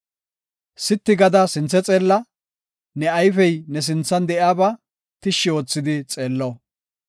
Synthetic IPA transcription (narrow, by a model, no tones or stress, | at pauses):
sɪt̪ːɪɡɐd̪ɐsɪnt͡sːɛt͡sʼe̞ːlːɐ | nɛɐjfɛjnɛs̬ɪnt͡sːɐnd̪ɛʔjaːbɐ | t̪ɪʃːɪoːt͡sːɪd̪ɪt͡sʼe̞ːlːɔ